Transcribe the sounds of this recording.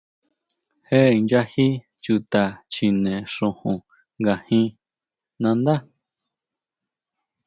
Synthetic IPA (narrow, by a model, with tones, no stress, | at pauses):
he˦˨i˨nd͡ʒa˧hi˦ | t͡ʃu˧t̪a˨t͡ʃi˨nẽ˨ʂũ˧hũ˨ | ŋɡa˨hĩ˧ | nã˧nd̪a˦